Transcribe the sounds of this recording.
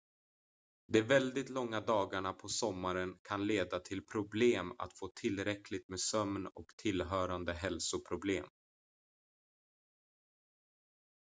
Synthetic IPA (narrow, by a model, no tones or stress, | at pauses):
d̪ɛvɛld̪ɪt̪lɔŋːad̪ɑːɡaɳapʰɔsɔmːaɾənkʰanleːd̪at̪ʰɪlpʰɾʊbleːma̰t̪foːt̪ʰɪlːɾɛkʰlɪt̪meːsœmnɔkt̪ʰɪlɦœːɾand̪əɦɛlsʊpʰɾʊbleːm